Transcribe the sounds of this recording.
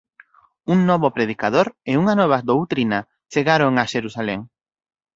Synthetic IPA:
uŋnɔβopɾeð̞ikaðoɾɪuŋanɔβ̞ad̪owt̪ɾina | t͡ʃeɣaɾoŋaʃeɾusaleŋ

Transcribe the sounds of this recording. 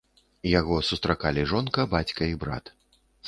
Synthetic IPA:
jaɣɔsust̪ɾakalʲiʐɔnkɐbat͡sʲkɐibɾa̰t̪

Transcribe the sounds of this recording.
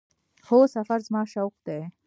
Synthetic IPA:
xosafaɾzmɑːʃawqd̪e

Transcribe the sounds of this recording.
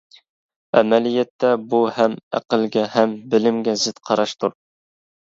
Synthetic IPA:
æ̰mɛlijɛt̪ʰːɛbuhɛmæ̰qəlˠɡʲɛhɛmbɪlɪmɡʲɛzɪt̪qʰɑɾɑʃt̪ʰuɾ

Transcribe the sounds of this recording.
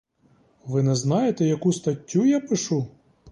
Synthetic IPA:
ʋɪnɛznɑjet̪ɛjɐkust̪ɐtʲːujapɪʃu

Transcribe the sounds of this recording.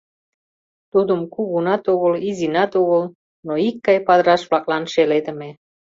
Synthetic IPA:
t̪ud̪umkuɣunɑt̪uɣəlizinɑt̪uɣəl | noikːɑjpɑd̪ɾɑʃβlɑk̚lɑnʃeled̪ə̆me

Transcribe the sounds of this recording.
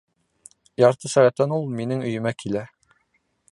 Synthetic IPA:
jɑɾt̪ɤsæʁæt̪ːænulˠminɘŋɵ̆jɵ̆mækʰilæ

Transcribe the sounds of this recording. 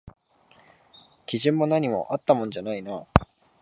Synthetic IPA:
kʲiʑɯ̃mːo̞naɲ̟imo̞̰ʔat̪ːamõ̞nd͡ʑanaina

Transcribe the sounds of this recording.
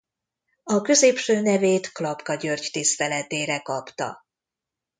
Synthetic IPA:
ɒkø̞zeːpʃøːnɛveːt̪klɒpkɒɟørɟt̪ist̪ɛlɛt̪eːɾɛkɒpt̪ɒ̰

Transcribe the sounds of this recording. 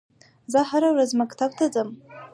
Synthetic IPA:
zaħaɾawɾazmakʰt̪ʰab̚tʰad͡zʼam

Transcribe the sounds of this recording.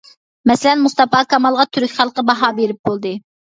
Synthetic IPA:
mɛsɪlɛnmust̪ɑpɑkʰɑmɑlˠʁɑt̪ʰyɾykʲχælˠqəbɑɦɑːbeɾɪp̚bolˠd̪ɨ

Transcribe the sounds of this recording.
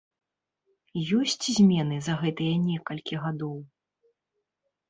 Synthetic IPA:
jɔsʲt͡sʲzʲmʲɛnɨzɐɣɛt̪ɨjɐnʲɛkɐlʲkʲiɣad̪ɔw

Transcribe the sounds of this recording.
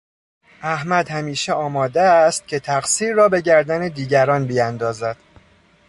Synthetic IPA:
ʔæhmæd̪hæmiːʃeɒːmɒːd̪eːst̪̚cʲʰe̞t̪ʰæɢsiːɾːɒːbe̞ɟæɾd̪æned̪iːɟæɾɒːnbijænd̪ɒːzæd̪̥

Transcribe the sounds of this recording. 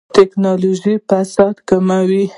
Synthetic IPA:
t̪ɪknɑloʒipasɑd̪kamawi

